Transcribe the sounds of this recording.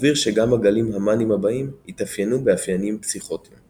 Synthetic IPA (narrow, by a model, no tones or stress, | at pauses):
viʁʃe̞ɡamhaɡalimɦamanimhabaimit̪afjenubeafjanimpsiχoti